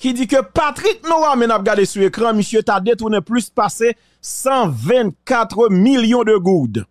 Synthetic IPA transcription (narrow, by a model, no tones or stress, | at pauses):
kid͡zikøpat̪ʁik̚nũwamɛ̃nap̚ɡadesuekʁɑ̃misjøt̪ad̪et̪unɛ̃plyspase | sɑ̃vɛ̃nkat̪ʁəmiljɔ̃d̪əɡud̪